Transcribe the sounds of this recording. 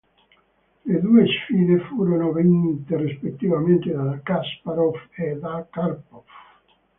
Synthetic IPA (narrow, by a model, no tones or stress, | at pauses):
led̪uːesfiːðefuːɾonovenit̪erispet̪ːivament̪ed̪akaspaɾofed̪akarpɔf